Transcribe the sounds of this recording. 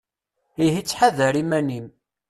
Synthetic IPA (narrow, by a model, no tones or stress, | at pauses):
ihit͡sːħaðəɾimænim